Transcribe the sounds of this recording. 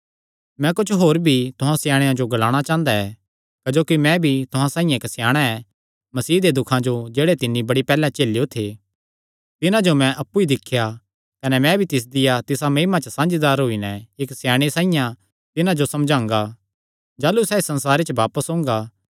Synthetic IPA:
mɛ̃kʊt͡ʃʰɦoːɾbʱit̪ʊɦãsjaːɽ̃ejãd͡ʒoɡɐlaːɽ̃at͡ʃãːnd̪aɛ | kɐd͡ʒoːkimɛ̃bʱit̪ʊɦãsãːĩjãeksjaːɽ̃aɛ | mɐsiːd̪ed̪ʊkʰãd͡ʒod͡ʒeːɽet̪ɪnːibɐɽipɛːlãt͡ʃeːlijot̪ʰe | t̪ɪnãd͡ʒomɛ̃ʔɐpːuid̪ɪkʰːja | kɐnɛmɛ̃bʱit̪ɪs̬d̪ɪjat̪ɪsamɐimat͡ʃəsãːnd͡ʒid̪aːɾɦoːinɛeksjaːɽ̃esãːĩjã | t̪ɪnãd͡ʒosɐmd͡ʒãːŋɡa | d͡ʒaːlusɛːesɐ̃nsaːɾet͡ʃbaːpəsɦõːŋɡa

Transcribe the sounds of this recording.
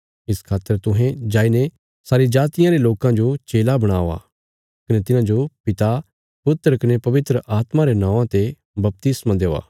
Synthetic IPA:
ɪskʰaːt̪ːəɾt̪ʊ̃ɦẽd͡ʒaːine | saːɾid͡ʒaːt̪ɪjãɾeloːkãd͡ʒot͡ʃeːlabɐɽ̃aːa̰ | kɐnet̪ɪnãd͡ʒopɪt̪a | pʊt̪ːəɾəkɐnepɐʋɪt̪ɾəʔaːt̪mãɾenãːʋãt̪e | bɐp̚t̪ɪsmãd̪eːa̰ː

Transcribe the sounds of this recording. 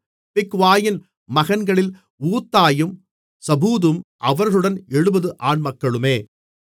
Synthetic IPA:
pɪkːʋaːjɪn | mɐɣɐnɡɐɭɪl | uːt̪ːaːjɯm | sɐbuːðɯmʔɐʋɐɾɣɐɭɯɽɐnɛɻɯbɐðɯʔaːɳmɐkːɐɭɯmeː

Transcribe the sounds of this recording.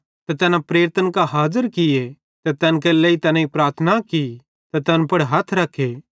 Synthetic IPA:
t̪ɛt̪ɛːnãpɾeːɾt̪ənkaɦaːzəɾkɪje | t̪ɛt̪ɛːnkɛlɛit̪ɛːnãipɾaːɾt̪ʰənaki | t̪ɛt̪ɛːnpɐɽɦɐt̪ʰɾɐkʰːeː

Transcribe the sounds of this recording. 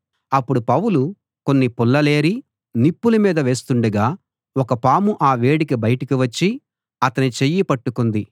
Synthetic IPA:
ɐpːuɽupɐwulu | ko̞nːipulːɐle̞ːɾi | nipːulumiːd̪ɐʋe̞ːst̪uɳɖɐɡaː | wɔkɐpaːmuʔaːʋe̞ːɽikibɐjɐʈɐkiʋɐt͡ʃːi | ɐt̪ɐnit͡ʃejːipɐʈːukund̪i

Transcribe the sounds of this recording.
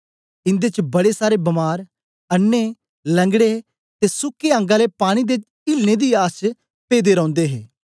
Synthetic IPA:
ɪ̃nd̪eːt͡ʃbɐɽeːsaːɾebɐmaːɾ | ənːeː | lə̃ŋɡɽe | t̪eːsʊkːeːə̃ːŋɡãːleːpaːɽ̃iːd̪et͡ʃ | ɪlneːd̪iːaːst͡ʃ | peːd̪eːɾɐ̃ːʊ̃nd̪eːɦeː

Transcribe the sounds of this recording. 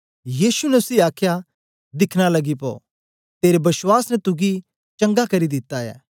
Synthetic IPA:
jiːsunɛʊsiaːkʰja | d̪ɪkʰñalɐɡipɔ̰ː | t̪eːɾebɐswaːsnɛt̪ʊɡi | t͡ʃɐ̃ŋɡakɐɾid̪ɪt̪ːaɛ̰ː

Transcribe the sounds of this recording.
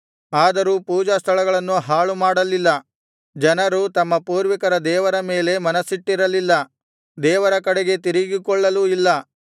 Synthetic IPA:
aːd̪ɐɾuːpuːd͡ʒast̪ʰɐɭɐɡɐɭɐnːuɦaːɭumaːɽɐlilːɐ | d͡ʒɐnɐɾut̪ɐmːɐpuːɾʋikɐɾɐd̪ɛːʋɐɾɐmeːle̞mɐnɐsiʈːiɾɐlilːɐ | d̪ɛːʋɐɾɐkɐɽeɡe̞t̪̬iɾiɡikɔɭːɐluilːɐ

